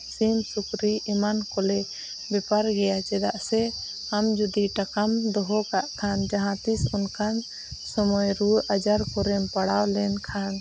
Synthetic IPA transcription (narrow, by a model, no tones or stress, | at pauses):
simsukɾiimankɔlɛ | bɛpaɾɡɛjat͡ʃɛd̪aʔsɛ | amd͡ʒud̪iʈakamd̪ɔɦɔkaʔkʰand͡ʒaɦãt̪isunkʰan | sɔmɔjɾuad͡ʒaɾkɔɾɛmpaɽawlɛnkʰan